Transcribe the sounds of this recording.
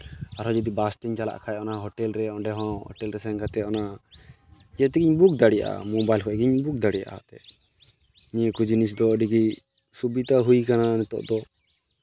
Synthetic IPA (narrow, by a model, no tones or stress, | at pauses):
aɾɦɔd͡ʒɔd̪ibast̪ɛɲt͡ʃala̰ʔkʰajɔnaɦɔʈɛlɾɛɔɳɖɛɦɔ̃hɔ̰ʈɛlɾɛsɛŋkat̪ɛɔna | ijat̪ɛɡiɲbuk̚d̪aɽija̰ʔa̰mobajlkʰɔʔɛɡiɲbuk̚d̪aɽija̰ʔa̰t̪ɛ̰ | ɲikud͡ʒinis̬d̪ɔːɖiɡi | subit̪aɦujkananɛt̪ɔ̰ʔd̪ɔ